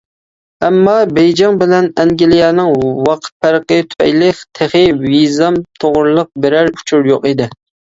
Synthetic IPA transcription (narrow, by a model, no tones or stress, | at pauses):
æmːɑbejd͡ʒɑŋbɪlɛnɛŋɡʲilijɛnɨŋwɑqʰt̪̚pʰæɾqət̪ʰʊ̥pʰɛ̰jlɪkʲt̪ʰeχɪvizɑmt̪ʰoʁʊɾlˠəq̚bɪɾæɾu̥t͡ʃʰuɾjoqid̪ɪ